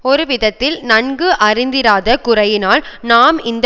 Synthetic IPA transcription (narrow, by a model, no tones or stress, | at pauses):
ɔɾɯʋɪðɐt̪ːɪlnɐɳɡɯʔɐɾɪnd̪ɪɾaːðɐkʊrɐjɪnaːlnaːmɪnd̪